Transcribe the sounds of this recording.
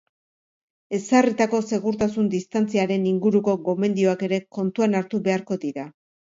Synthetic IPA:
e̞sarit̪ako̞se̞ɣuɾt̪asund̪ist̪ant͡siaɾe̞niŋɡuɾuko̞ɣo̞me̞nd̪io̞ake̞ɾe̞ko̞nt̪uanaɾt̪uβe̞aɾko̞ðiɾa

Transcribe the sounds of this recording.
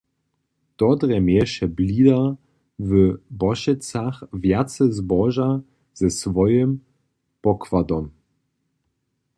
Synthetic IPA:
d̥ɔdʁɛmɛʃɛbliːdɐ | vəbɔʃɛt͡saxvjat͡səzbɔʒa | z̥ɛsvɔjəm | pɔkvadɔm

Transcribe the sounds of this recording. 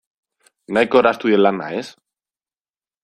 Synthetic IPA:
najkoɾast̪uelana̰es

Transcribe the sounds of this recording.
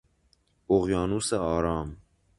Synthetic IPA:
oɣjɑːnusaɑːɾɑːm

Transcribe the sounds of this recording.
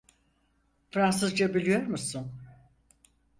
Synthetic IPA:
fɾansɯzd͡ʒabilʲijo̞ɾmusun

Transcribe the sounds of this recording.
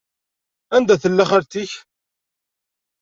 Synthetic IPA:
ænd̪æθəlːæχəɾt̪iç

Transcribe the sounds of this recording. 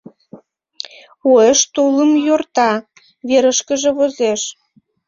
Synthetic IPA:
oeʃt̪uləmjort̪ɑ | βeɾəʃkə̆ʒĕβozeʃ

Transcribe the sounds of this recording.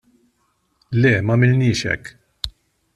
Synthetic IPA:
lɛːmɐmɪlnɪːʃɛ̰kː

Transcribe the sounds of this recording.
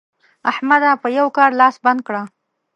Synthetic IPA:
ahmad̪apəjawkɑɾlɑsband̪̚kɽa

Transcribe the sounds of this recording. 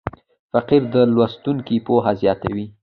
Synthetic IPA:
faqiɾd̪əlwast̪uŋkipoɦazjɑt̪awi

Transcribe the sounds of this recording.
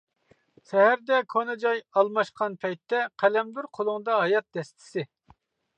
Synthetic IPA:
sɛɦæɾd̪ɛkʰonɨd͡ʒɑjɑlˠmɑʃqʰɑnpʰɛjt̪ʰːɛqʰælɛmd̪uɾqʰolˠʊŋd̪ɑɦɑjɑt̪̚d̪̥ɛst̪ʰɪ̥sɪ

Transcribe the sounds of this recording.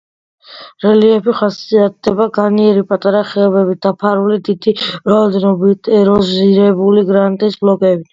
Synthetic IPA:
ɾɛliɛpiχasiat̪̚d̪ɛbaɡaniɛɾipʼat̪ʼaɾaχɛɔbɛbit̚d̪̥apʰaɾulid̪id̪̥iɾaɔd̪ɛnɔbit̪ʼɛɾɔziɾɛbuliɡɾant̪ʼisblɔkʼɛbi

